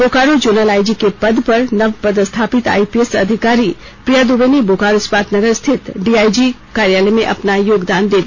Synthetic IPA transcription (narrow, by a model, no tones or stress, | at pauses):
boːkaːɾod͡ʒuːnəlaːid͡ʒikepɐd̪pɐɾnɐʋpɐd̪st̪ʰaːpɪt̪a̰ːipiesɐd̪ʱɪkaːɾi | pɾijaːd̪ubeniboːkaːɾospaːt̪nɐɡəɾst̪ʰɪt̪ɖiːaːid͡ʒi | kaːɾjaːləmẽʔɐ̰pnajoːɡd̪aːnd̪eːd̪